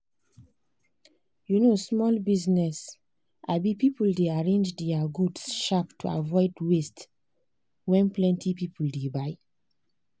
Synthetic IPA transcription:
junosmɔlbiznɛs | ʔabipipuldeaɹẽnd͡ʒdɛaɡudsʃaptʰua̰vɔɪdwest | wɛ̃nplɛ̃ntʰipipʰuldebaɪ

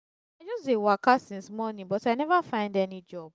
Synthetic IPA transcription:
aɪd͡ʒɔsdewakasĩnsmɔnĩnbɔtaɪnɛvafãɪ̃ndɛnid͡ʒɔb̥

